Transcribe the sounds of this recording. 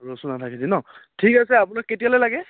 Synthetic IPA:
ɹosunatʰakidinɔtʰikasɛapʊnakːetijalɔjlaɡɛ

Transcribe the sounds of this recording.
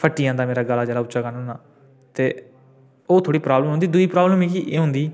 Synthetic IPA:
pʰəʈːɪjãːd̪aːmeːɾaːɡəlːaːd͡ʒəːlaːʊʃaːkəɾnoːnaː | t̪eː | oːt̪ʰoːɽiːpɾaːbləmɦõnd̪iːd̪ʊiːpɾaːbləmeːkiʔeːɦʊ̃nd̪iː

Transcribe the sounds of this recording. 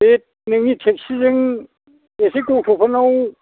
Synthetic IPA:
et̚nɯŋitʰek̚sizɯŋ | esekutʰupʰanow

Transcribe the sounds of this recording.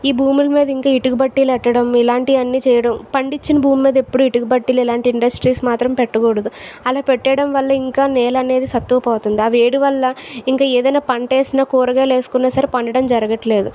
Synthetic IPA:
iːbʱuːmulɐmiːd̪ɐiŋkaːiʈuɡubɐʈːiːlɐɛʈːɐɽɐmilaːɳʈiɐnːiːt͡ʃɛːjɐɽɐmpɐɳɖit͡ʃːinɐbʱuːmːiːd̪ɐepːuɽuiʈuɡubɐʈːiːlilaːɳʈiiɳɖɐsʈɾiːsmaːt̪ɾɐmpɛʈːɐkoːɽɐd̪uɐlaːpɛʈːɐɽɐmʋɐlːɐiŋkaːneːlɐne̞ːd̪isɐt̪ːuʋɐpɔːt̪und̪iɐʋeːɽiʋɐlːɐiŋkaːeːd̪ɐjnaːpɐɳʈeːsinaːkoːɾɐɡaːle̞ːsu̥kunːaːsɐɾipɐɳɖɐɽɐmd͡ʒɐɾɐɡɐʈle̞ːd̪u

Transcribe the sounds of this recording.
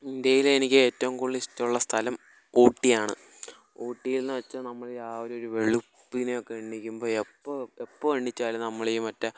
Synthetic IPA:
ind̪ejilenikʲːɨe̞ːtːɐʋuŋkoɭːɨiʂtːɐmuɭːɐst̪ʰɐlɐm | oːʈːijaːɳɨ̰ | o̞ːʈːijilnːɨʋɐt͡ɕːɐnɐmːɐɭjaːʋɐɾeoɾuʋe̞ɭupːinejokːeeɳːikʲːumbo̞ːepːɐepːɐeɳːit͡ɕːaːlnɐmːɐɭejumɐtːɐ

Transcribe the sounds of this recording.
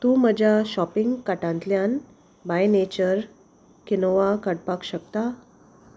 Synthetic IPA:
t̪ũːm̤əd͡ʑjaɕɔpiŋɡkaʈãnt̪ljan | bajnet͡ɕəɾ | kinoʋakəɽpakɕək̚t̪a

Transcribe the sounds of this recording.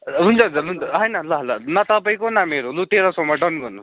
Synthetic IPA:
ɦunt͡sʰʌɦunt͡sʌunt͡sʌɦʌjnʌlʌɦlʌnʌt̪ʌpaĩkonameɾulut̪eɾʌsʌmʌʈʌnɡʌnus

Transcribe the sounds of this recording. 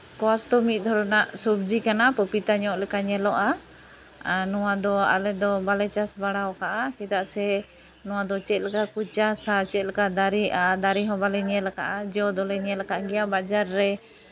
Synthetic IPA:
kwast̪ɔmit̪̚ˀd̪ʱɔɾɔnaʔsub̚d͡ʒikanapəpit̪aɲɔʔlɛkaɲɛlɔʔa | nɔwad̪ɔa̰lɛd̪ɔbalɛt͡ʃasbaɽawɔkaʔat͡ʃɛt̪aʔsɛ | nɔwad̪ɔt͡ʃɛt̪̚lɛkakut͡ʃasat͡ʃɛt̪̚lɛkad̪aɾiʔad̪aɾiɦɔbalɛɲɛlaka̰ʔad͡ʒɔd̪ɔlɛɲɛlɛkaʔɡɛjabad͡ʒaɾːɛ

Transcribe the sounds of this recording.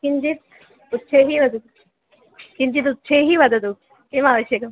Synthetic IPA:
kiɲd͡ʒit̪̚ | ut̪ːt͡ʃʰeɦiʋɐd̪ut̪ | kiɲd͡ʒit̪̬ut̪ːt͡ʃʰeːɦiʋɐd̪ʱɐd̪u | kemaːʋəʃjɐkɐm

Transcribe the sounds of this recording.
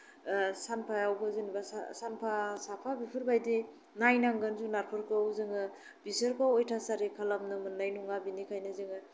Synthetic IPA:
sanpʰajawɡɯzɯnbasa̰sanpʰasapʰabipʰɯɾbajdi | najnaŋɡɯnzunaɾpʰɯɾkʰɯwzɯŋɯ | bisɯɾkʰawojtʰasaɾikʰalamnɯmɯnːajnuŋabinikʰajnɯzɯŋɯ

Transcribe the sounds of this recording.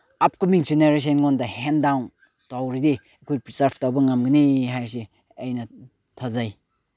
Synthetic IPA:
ap̚kumiŋsineɾes̬enŋondɐhendawn | tawɾide | ɐkʰojpɾisaɾb̚ʰtawbɐŋamɡiniɦajɾs̬i | ɐjnɐ | tʰazaj

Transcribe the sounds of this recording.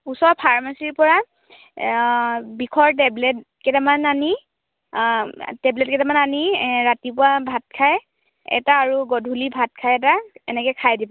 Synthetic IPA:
usɔpʰaɹmasiɹpɔɹa | bikʰɔɹt̬ɛblɛt̚ | kɛtamanani | tɛblɛt̚kɛtamananiɹatipʊabʱat̚kʰaj | ɛ̰taːɹuɡɔdʱulibʱat̚kʰajɛtaɛ̰nɛkɛkʰajdibɔ

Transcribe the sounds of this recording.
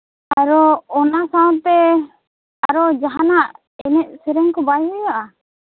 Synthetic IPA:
aɾɔɔnasawãt̪ɛ | aɾɔd͡ʒaɦanaʔ | ɛnɛʔ̚sɛɾɛŋkɔbajɦɔjaʔa

